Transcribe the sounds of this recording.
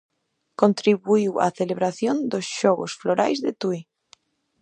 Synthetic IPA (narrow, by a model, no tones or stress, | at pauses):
kõnt̪ɾiβuiwa̰θeleβɾaθjond̪osʃɔɣosfloɾa̰jzðet̪ui